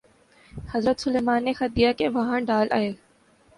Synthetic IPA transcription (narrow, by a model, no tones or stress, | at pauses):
hɐzɾət̪sʊleːmaːnːexɐt̪̚d̪ijakeʋɐɦãɖaːlʔa̰ːeː